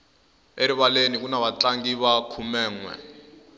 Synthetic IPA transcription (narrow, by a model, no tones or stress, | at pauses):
eɾiβalenik̬unaβat͡ɬaŋɡiβakʰumɛːŋwɛ̰